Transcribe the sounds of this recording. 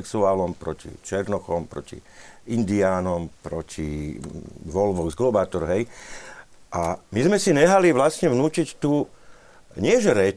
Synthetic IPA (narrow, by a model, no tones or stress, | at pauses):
ɛksuaːlɔmpɾɔcḭt͡ʃɛɾnɔxɔmpɾɔ̰cḭind̪iaːnɔmpɾɔcʰi | ʋɔlʋɔɡzɡlɔbaːt̪ɔɾɦɛj | ʔamizmɛsiɲɛɦaliʋlasɲɛʋnuːcict̪uː | ɲɪɛʒɛɾɛ